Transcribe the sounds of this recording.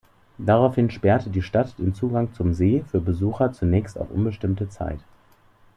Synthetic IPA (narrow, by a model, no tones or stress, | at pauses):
d̥aʁaʊfhɪnʃpɛɐtədiːʃtatd̥eːnt͡suːɡaŋt͡sʊmzeːfyːɐbəzuːxɐt͡sunɛːçsta̰ʊfʔʊ̰nbəʃtɪmtət͡sa̰ɪt